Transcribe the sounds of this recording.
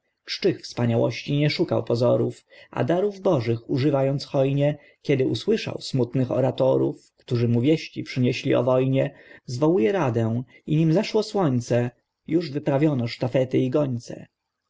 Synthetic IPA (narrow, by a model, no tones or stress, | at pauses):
t͡ʂt͡ʂɘxfspaɲawɔ̰ɕt͡ɕiɲɛʂukawpɔzɔɾuf | ʔa̰d̪aɾuvbɔʐɘxuʐɘvajɔnt̪sxɔjɲɛ | kʲɛd̪ɘuswɘʂa̰wsmut̪nɘxɔ̰ɾat̪ɔɾufkt̪uʐɘmuvʲjɛɕt͡ɕipʂɘɲɛɕlʲiɔ̰vɔjɲɛzvɔwujɛɾad̪ɛw̃ | iɲimzaʂwɔswɔɲt̪sɛ | juʐvɘpɾavʲjɔnɔʂt̪afɛt̪ɘiɡɔɲt̪sɛ̰